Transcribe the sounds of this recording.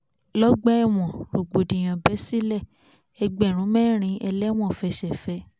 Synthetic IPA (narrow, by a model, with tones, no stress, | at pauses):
lɔ˦ɡ͡bɛ˦ɛ˦˨w̃ɔ̃˨ɾo˨ɡ͡bo˨dĩ˨j̃ã˨bɛ˨˦si˦lɛ˦˨ | ɛ˧ɡ͡bɛ˨ɾ̃ũ˨˦mɛ̃˦˨ɾ̃ĩ˧ʔɛ˧lɛ˦w̃ɔ̃˦˨fɛ˧ʃɛ˨fɛ˨˧˦